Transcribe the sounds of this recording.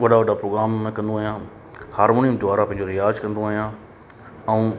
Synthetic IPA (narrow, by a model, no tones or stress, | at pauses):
ʋɐɖaʋɐɖapɾoːɡɾaːmːẽkɐ̃nd̪oaːɦijã | haːɾmoːniəmd̪ʋaːɾapɐ̃ɦɪ̃ɲd͡ʑoɾɪjaːd͡ʑkɐ̃nd̪oaːɦijã | ɛ̃ũ